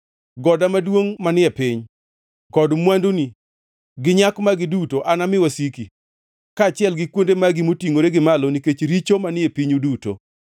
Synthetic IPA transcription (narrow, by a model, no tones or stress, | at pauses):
ɡɔdamadwoŋmanɪɛpɪɲ | kɔdmwandoni | ɡɪɲakmaɡɪdutoʔanamɪwasiki | kat͡ʃɪɛlɡɪkwondemaɡimotiŋoɾeɡɪmaloniket͡ʃɾit͡ʃomanɪɛpiɲuduto̰